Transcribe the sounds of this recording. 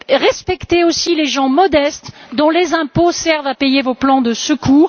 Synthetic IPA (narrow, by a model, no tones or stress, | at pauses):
ʁɛspɛkt̪eosileʒɑ̃mɔd̪ɛst̪d̪ɔ̃lezɛ̃posɛʁvapejevoplɑ̃d̪əsəkʰuːʁ